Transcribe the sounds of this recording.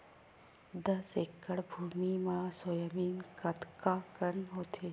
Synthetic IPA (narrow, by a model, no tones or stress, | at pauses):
d̪ɐsekːəɽbʱuːmimãːsojəmiːnkɐt̪kakənɦoːt̪ʰeː